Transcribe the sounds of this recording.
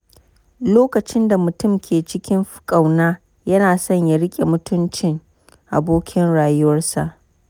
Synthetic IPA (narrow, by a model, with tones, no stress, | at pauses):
loː˦kɐ˨t͡ʃɪ˦nda˨mʊ˨tʊ˦˨mkʲʰeː˨t͡ʃɪ˦kʲɪ˦mɸkʼa˨wnaː˦ | jɐ˦naː˨sɔ˦ɲja˨ɽɪ˦kʲʼe˨mʊ˦tʊ˦nt͡ʃɪ˦˨ŋ | ʔa̰˨boː˦kʲʰɪ˦nɽaː˨jʊ˦wɐ˦rsa˨ʔ